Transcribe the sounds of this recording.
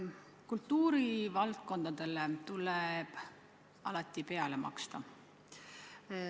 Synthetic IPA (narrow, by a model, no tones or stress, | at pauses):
kult̪ːuːɾivɑlt̪̚ko̞nd̪̥ɑd̪̥e̞let̪uleb̥ | ɑ̰lɑt̪ːˑipe̞ɑlemɑ̰kst̪ɑ